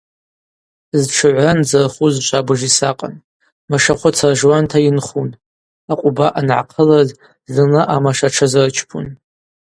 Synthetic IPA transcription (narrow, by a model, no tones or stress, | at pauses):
zʈ͡ʂʰɨʕʷand͡zarχuzʃʷʼabɨʐisaqʼa̰n | maʂaχʷʊt͡sʰarʒwantʰainχun | aqʷʼʊbaʔanʕa̰qʰəlaz | zɨnaʔamaʂaʈ͡ʂʰazart͡ʃʰpʰṵn